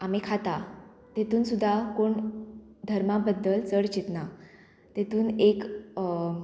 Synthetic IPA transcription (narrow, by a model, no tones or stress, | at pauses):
amikʰat̪a | t̪et̪uːnsud̪ʱːakoɳ | d̪ʱəɾmabəd̪ːəlt͡səɽt͡ɕit̪na | t̪et̪uːnek